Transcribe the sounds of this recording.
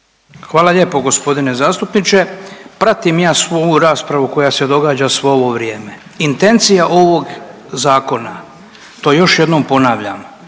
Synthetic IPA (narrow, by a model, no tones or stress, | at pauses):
xʋaːlaʎe̞ːpo̞ɡo̞spo̞d̪ine̞zaːst̪upnit͡ʃe̞pɾat̪imjaːsʋojuɾaːspɾaʋuko̞jase̞d̪o̞ɡaːd͡ʑasʋo̞oʋo̞ʋɾje̞ːme̞ | int̪e̞nt̪sijaʔo̞ʋo̞ɡ | zaːko̞na | t̪o̞ːjo̞ʃjed̪noːmpo̞naːʋʎa̰m